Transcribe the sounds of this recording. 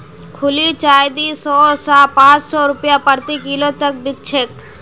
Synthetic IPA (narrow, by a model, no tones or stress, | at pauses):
kʰʊliːt͡ʃaːjd̪isɔːsapãːt͡ʃsɔːɾʊpjapəɾt̪ikilot̪ək̚bɪk̚t͡ʃʰeːk